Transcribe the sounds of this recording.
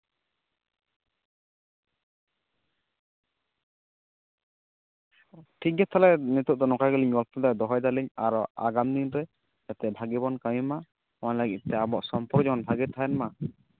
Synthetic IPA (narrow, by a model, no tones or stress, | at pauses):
ʈʰik̚ɡɛt̪ʰalɛnit̪uʔ̚d̪ɔnɔkaɡɛliɲɡɔlt̪ɔd̪ad̪ɔɦɔjd̪aliɲa̰ɾɔaɡamd̪inɾɛ | d͡ʒat̪ɛbʱaɡibɔnkajima | malaɡḭt̪̚t̪ɛabɔʔsɔmpɔɾd͡ʒɔmɔnbʱaɡɛt̪ʰaɛnma